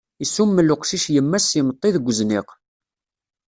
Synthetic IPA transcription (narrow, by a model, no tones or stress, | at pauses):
isumːəlːʊqʃiʃjəmːæsəmət̪ˤːiðəɡʷəzniq